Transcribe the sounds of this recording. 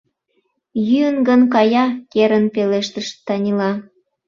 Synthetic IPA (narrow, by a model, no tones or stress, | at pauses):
jyənɡənkɑjɑkeɾənpeleʃt̪əʃt̪ːɑnʲilɑ